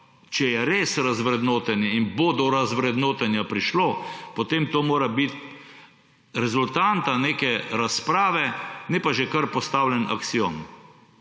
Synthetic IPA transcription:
t͡ʃɛjɛɾeːsɾazʋɾɛd̪noːt̪ɛnɛinbod̪ɔɾazʋɾɛd̪noːt̪ɛnjapɾiʃloːpɔt̪eːmt̪oːmoːɾabit̪̚ | ɾɛzʊlt̪aːnt̪aneːkɛɾaspɾaːʋɛnɛpaʒɛkɐɾpɔst̪awlʲɛnʔɐ̰k̪sion

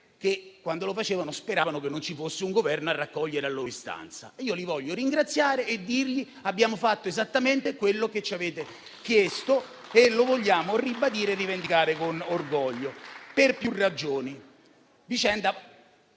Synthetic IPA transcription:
kekːwand̪olofat͡ʃeːvanospeɾaːvanokenːont͡ʃifosːeuŋɡovɛrnoarːakːɔʎːeɾealːoːɾist̪a̰nt̪sa̰iːolivɔʎːoɾiŋɡɾat̪sːjaːɾeːd̪ːirʎi | abːjaːmofat̪ːoezat̪ːament̪ekwelːoket͡ʃːaveːt̪e | kjest̪o | elovoʎːaːmoribad̪iːɾerːivend̪ikaːɾekonorɡɔʎːoperpjurːad͡ʒoːni | vit͡ʃɛnd̪a

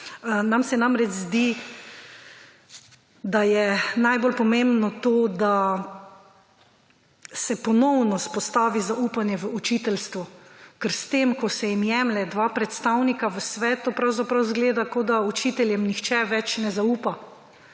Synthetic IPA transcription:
namsɛnamɾɛt͡ʃzd̪i | d̪ajɛnajbolpɔmẽmbnɔt̪oːd̪a | sɛpɔnɔwnɔspɔst̪aːʋizauːpanjɛʋəut͡ʃiːt̪ɛlst̪ʋukəɾst̪eːmkɔsɛjimjɛːmlɛd̪ʋaːpɾɛt̪st̪awnikaʋəsʋɛːt̪upɾawzapɾawzɡleːd̪akod̪aut͡ʃiːt̪ɛljɛmnixt͡ʃɛʋɛt͡ʃnɛzauːpa

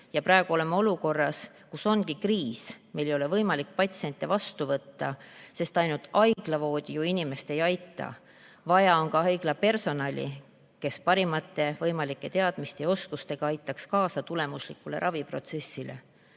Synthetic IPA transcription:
jɑpɾɑeɡ̥uo̞le̞mːɑo̞luko̞rːɑs | kuso̞nɡ̥ikriːsme̞jlejo̞le̞vɤ̞jmɑlik̚pɑt̪sie̞nʲt̪ʲːˑevɑst̪uvɤt̪ːɑse̞st̪ɑjnult̪ˑɑjɡ̥lɑvo̞ːd̪̥ʲijuinime̞st̪e̞jɑjt̪ːˑɑ̰ | vɑjɑo̞nkɑɦɑjɡ̥lɑpe̞rso̞nɑlʲḭ | ke̞spɑɾimɑt̪ːe̞vɤ̞jmɑlikːˑe̞t̪eɑd̪̥mist̪eo̞skust̪e̞ɡ̥ɑɑjt̪ːˑɑkskɑːsɑt̪ule̞muslikːˑule̞̰ɾʔɑvipro̞t̪se̞sːilḛ

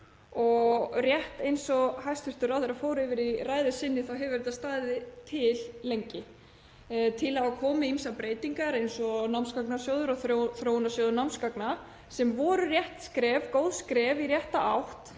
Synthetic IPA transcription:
ɔɣɣrjɛht̪ejnsɔhajst̪fʏr̥t̪ʏɾawθeɾafoːwɾɛvɪɾiraːjðʏsɪnːɪθawɦɛvɪvɛɾɪt̪aðst̪aːðɪt̪ʰɪllːejɲcɪ | t̪ʰɪlaakʰɔːmɪimsapɾeːjt̪iŋkaɾejnsɔnawmskaknasjoːwðʏɾaɣθoθɾownasjoːðʏɾnawmskakna | sɛmvɔɾʏrjɛht̪skɾɛvkowðskɾɛvirjɛht̪aʔawht̪

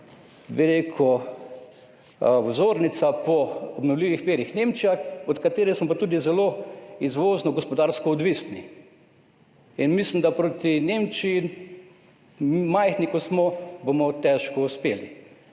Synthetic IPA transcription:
biɾekʰɔ | ɔzoɾnit̪sapɔɔbnɔwliʋixʋeːɾixnemt͡ʃijaɔt̪kat̪eːɾɛsmɔpat̪uːd̪izɛloizʋoːznɔɡɔspɔd̪aɾskɔːd̪ʋisni | inmislimd̪apɾot̪inemt͡ʃiːn | majxnikɔsmɔbomɔt̪ɛʃkɔuspeːlḭ

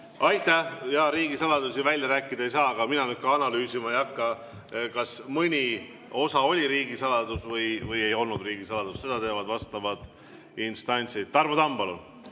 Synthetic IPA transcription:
ɑjt̪ːˑæhjɑɾiːɡ̥isɑlɑd̪usivælʲjɑɾæːkːˑid̪̥ɑejsɑːɑɡ̥ɑminɑnyt̪̚kɑɑnɑlyːsimɑejɑkːɑ | kɑsmɯnʲi | o̞sɑo̞lʲiɾiːɡ̥isɑlɑd̪̥usvɤjvɤje̞jo̞lnud̪riːɡ̥isɑlɑd̪̥usse̞d̪̥ɑt̪e̞ːvɑd̪̥vɑst̪ɑvɑd̪̥ | inst̪ɑnʲt̪sid̪̚t̪ːɑrmot̪ɑmb̥ɑlṵn

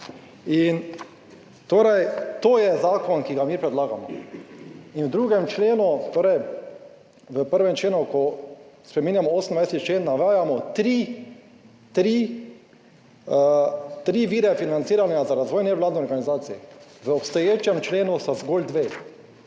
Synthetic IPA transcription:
in | t̪oːɾɛjt̪oːjɛzaːkɔnkiɡamipɾɛd̪laːɡamɔ̰ | inwd̪ɾuːɡɛmt͡ʃleːnut̪oːɾɛj | ʋəpəɾʋɛmt͡ʃleːnukɔspɾɛmiːnjamɔoːsənd̪ʋajst̪it͡ʃleːnːaʋaːjamɔt̪ɾi | t̪ɾi | t̪ɾiːʋiːɾɛfinansiːɾanjazaɾazʋoːjnɛʋlaːd̪niɔɾɡanizaːt̪sijɛʋəɔpst̪ɔjeːt͡ʃjɛmt͡ʃleːnust̪azɡold̪ʋeː

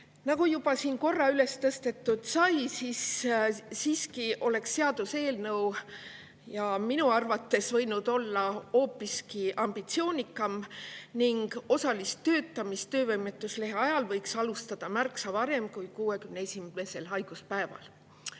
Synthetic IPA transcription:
nɑɡ̥ujub̥ɑsiːnko̞rːɑyle̞st̪ɤst̪et̪ːˑud̪̥sɑjsis | siːskiʔo̞le̞ksːeɑd̪̥use̞ːlnɤw | jɑminuɑrvɑt̪ːe̞svɤjnud̪̥o̞lːɑo̞ːpːiskiʔɑmb̥it̪sio̞ːnʲikːˑɑmniŋɡ̥o̞sɑlistt̪ø̞ːt̪ːˑɑmist̪ø̞ːvɤjmet̪ˑːusle̞ɦeɑjɑlvɤjksɑlust̪ɑd̪̥ɑmærksɑvɑɾe̞mkujkuːe̞kymneesʲimme̞se̞lɦɑjɡ̥uspæe̞vɑ̰l

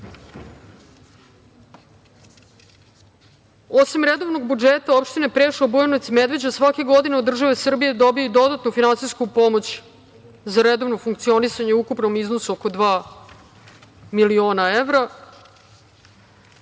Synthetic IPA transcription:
osimɾed̪o̞vno̞ɡ̚bud͡ʒet̪ao̞pʃt̪ine̞pɾeʃobojonot̪imed̪ʋe̞d͡ʑasʋake̞ɡo̞d̪ineod̪ːr̩ʒaʋesr̩bije̞d̪o̞bioid̪o̞d̪at̪nufinansiskupo̞mot͡ɕ | zaɾed̪o̞ʋnofuŋk̚t̪sio̞nisaɲeukupnomiznosuoko̞d̪ʋaː | milio̞ːnaeʋɾa

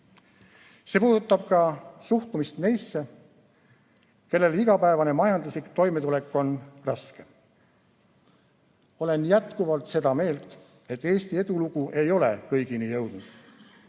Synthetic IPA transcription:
se̞ːpuːd̪ut̪ˑːɑb̥̚kɑsuht̪umist̪nejsːe̞ | ke̞lːe̞liɡ̥ɑpæe̞vɑne̞mɑjɑnd̪luslikt̪o̞jme̞t̪ule̞kːˑo̞nrɑske̞ | o̞le̞njæt̪kuvɑlt̪ˑse̞d̪ɑme̞ːlt̪ˑ | e̞t̪ːˑe̞ːst̪ie̞d̪̥uluɡ̥uʔe̞jo̞le̞̰kɤjɡ̥inijɤ̞wd̪̥nud̪̥

